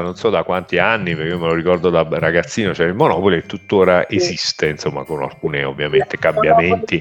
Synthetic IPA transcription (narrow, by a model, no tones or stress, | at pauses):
nonsɔd̪akwant̪ianːipeɾkeomeloɾikɔrd̪od̪araɡat̪sːiːnot͡ʃɛilmonɔːpoliet̪ːut̪ːoːɾaʔezist̪einsomːa̰kona̰lkuːneo̰vːjament̪ekambjament̪i